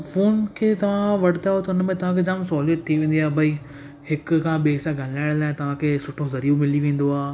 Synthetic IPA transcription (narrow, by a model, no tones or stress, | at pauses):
foːnkʰeːt̪ɐʋ̤ãʋɐɽɪt̪aːot̪ɐʊnəmẽt̪ɐʋ̤ãkʰed͡ʑaːmsɔːləʈ̚t̪ʰiʋẽːn̆d̪iaːɦbʱɐi | hɪkkʰãːɓeːsãɡʱɐlaːɪɽlaːɦɪ̃t̪ɐʋ̤ãkʰeːsʊʈʰozɐɾiːomɪliʋẽːn̆d̪oaː